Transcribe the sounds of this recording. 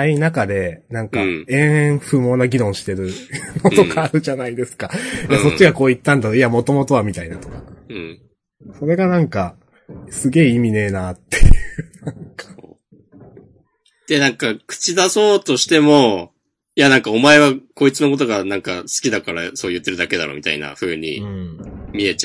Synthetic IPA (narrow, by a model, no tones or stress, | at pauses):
ainakad̪e̞nãŋkaẽ̞ɰ̃ẽɸɯ̟mo̞ːnaɡʲiɾõ̞ɰ̃ɕi̥t̪e̞ɾɯ̟no̞t̪o̞kaːɾɯ̟ʑanaid̪e̞sɨ̥kajaso̞t͡ɕːiɡako̞ːit̪ːãnd̪at̪ojamo̞t̪o̞mo̞t̪o̞βamʲit̪ainat̪o̞kã | so̞ɾe̞ɡanãŋka | sɨɡʲe̞ːimʲine̞ːnat̪ːe̞jɯɯnãŋkḁ | d̪̥e̞nãŋkakɯ̥t͡ɕid̪aso̞ːt̪o̞ɕi̥t̪e̞mo̞ | janãŋkao̞mae̞βako̞it͡sɨnokot̪̬o̞ɡanãŋkasɨ̥kʲid̪akaɾa̰so̞ːjɯ̟t̪ːe̞ɾɯ̟d̪ake̞d̪aɾo̰mʲit̪a̰ḭna̰ɸɯ̟ːɲ̟ḭɯ̃mʲie̞t͡ɕa